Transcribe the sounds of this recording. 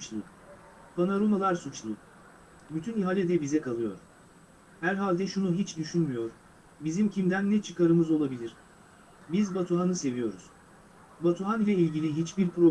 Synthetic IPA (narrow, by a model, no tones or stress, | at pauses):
t͡ʃlˠu | pʰanaɾomalˠaɾsut͡ʃlˠu | byt̪ʰyniɦalʲɛd̪ɛbizɛkʰalˠɯjo̞̰ɾ | hæɾɦalʲd̪ɛʃunuɦit͡ʃd̪yʃynmyjo̞ɾ | bizimcʰimd̪ænːɛt͡ʃʰɯkaɾɯmɯzo̞lˠabilʲiɾ̥ | bizbat̪ʰuɦanɯse̞vijo̞ɾuz̥ | bat̪ʰuɦanilʲɛilʲɟilʲiɦit͡ʃbiɾpʰɾo